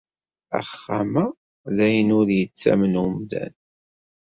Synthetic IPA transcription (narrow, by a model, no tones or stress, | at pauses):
æ̰χːamæ | ðæjənʊɾjət͡sːæ̰mənumd̪æ̰n